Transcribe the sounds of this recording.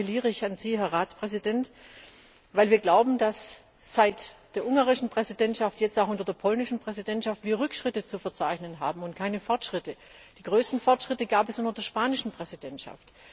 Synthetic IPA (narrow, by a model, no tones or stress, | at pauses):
liːʁəɪçanziːɦɛɐʁaːt͡spʁ̥ɛzidɛnt | vaɪlviːɐɡlaʊbm̩das | z̥aɪtd̥eːɐʔʊŋɡaːʁɪʃn̩pʁ̥ɛzidɛntʃaftjɛt͡staʊxʊntɐdeːɐpʰɔlnɪʃn̩pʁ̥ɛzidɛntʃaftv̥iːɐʁʏkʃʁ̥ɪtət͡sufɛɐt͡saɪçnənɦaːbm̩ʊntkʰaɪnəfɔɐtʃʁ̥ɪtə | d̥iːɡ̥ʁøːstn̩fɔɐtʃʁ̥ɪtəɡ̥aːpɛsʊntɐdeːɐʃpaːnɪʃn̩pʁ̥ɛzidɛntʃa̰ft